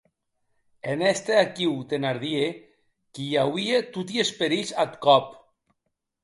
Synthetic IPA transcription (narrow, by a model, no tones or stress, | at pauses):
enɛst̪eakiwt̪enaɾðie | kijawiet̪ut̪iespeɾisat̪kɔp